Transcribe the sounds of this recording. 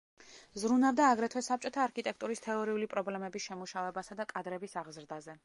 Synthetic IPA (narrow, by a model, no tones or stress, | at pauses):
zɾunavd̪aːɡɾɛt̪ʰwɛsap̚t͡ʃʼɔt̪ʰaːɾkʰit̪ʼɛk̚ʰt̪ʼuɾist̪ʰɛɔɾiulipʼɾɔblɛmɛbisʃɛmuʃavɛbasad̪akʼad̪ɾɛbisaʁzɾd̪azɛ